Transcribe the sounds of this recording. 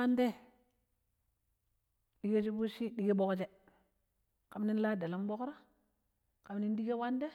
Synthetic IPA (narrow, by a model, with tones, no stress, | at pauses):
a˦nde˦ | ɗi˦ɡe˦t͡ʃi˦bu˦ʃi˦ɗi˦ɡe˦ɓo˦kt͡ʃe˦ | ka˨mni˦n˦la˦da˨la˦mbo˦kɾa˦ | ka˨mni˦ndi˦ɡe˦wa˦nde˦